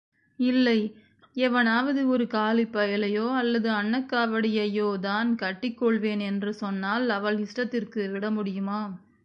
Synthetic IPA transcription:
ɪlːɐɪ | ɛʋɐnaːʋɐðɯɔɾɯkaːlɪpːɐjɐlɐjoːɐlːɐðɯɐɳːɐkːaːʋɐɽɪjɐjoːd̪aːnkɐʈːɪkːɔɭʋeːnɛndrɯsɔnːaːlɐʋɐɭɪsʈɐt̪ːɪrkɯʋɪɽɐmʊɽɪjɯmaː

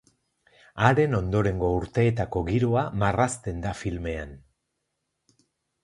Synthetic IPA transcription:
aɾe̞no̞nd̪o̞ɾe̞ŋɡo̞uɾt̪e̞ːt̪ako̞ɣiɾoamarast̪e̞nd̪afilme̞an

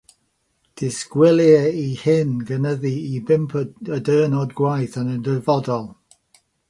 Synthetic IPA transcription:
d̥ɪskwɪlˠjɛihɪnɡənəðiibɪmpʰədəːnɔdɡwajθanəndəvɔdɔlˠ

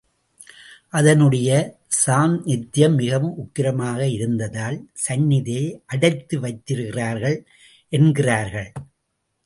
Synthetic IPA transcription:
ʔɐðɐnɯɽɐjɐsaːnnɪt̪ːɪjɐmːɪɣɐʋɯmʊkːɪɾɐmaːɣɐɪɾɯnd̪ɐðaːlsɐnːɪðijɐɪʔɐɽɐɪt̪ːɯʋɐɪt̪ːɪɾɯɣɪraːɾɣɐɭ | ʔɛnɡɪraːɾɣɐɭ

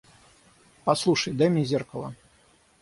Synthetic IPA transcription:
paslˠuʂəjd̪ɛmʲizʲerkɐlˠɐ

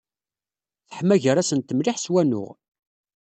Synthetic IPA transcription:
θə̥ħmæʝəɾæsənt̪əmlɪħswænʊ̰ʁ

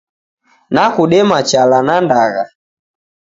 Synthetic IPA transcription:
nakuɗɛmat͡ʃalanandaɣa̰

